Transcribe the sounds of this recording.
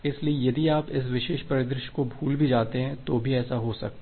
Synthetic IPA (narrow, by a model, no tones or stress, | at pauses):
ɪsliejɐd̪ieaːpɪs̬ʋɪʃeːʃpɐɾɪd̪ɾɪʃkobʱuːlbʱid͡ʒaːt̪eɦɛ̃t̪obʱiɛːsaɦosɐ̰k̚t̪ː